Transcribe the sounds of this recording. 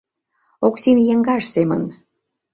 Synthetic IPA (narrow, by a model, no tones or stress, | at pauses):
oksinjəŋɡɑʃsemə̰n